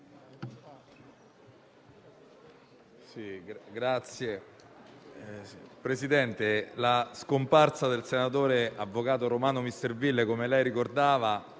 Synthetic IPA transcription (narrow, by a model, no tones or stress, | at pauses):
siɡɾat̪sːje | pɾesid̪ɛnt̪elaskomparsad̪elsenat̪oːɾeavːokaːt̪oɾomaːnomist̪ervilːekomelɛjɾikord̪aːva